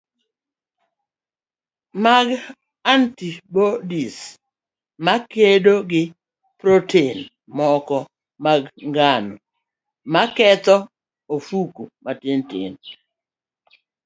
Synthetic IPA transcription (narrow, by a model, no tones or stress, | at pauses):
maɡ | antibodis | makedoɡɪ | pɾotʰen | mɔkɔ | maɡŋɡano | makɛt̪ɔ | ofukumatɪntɪ̰n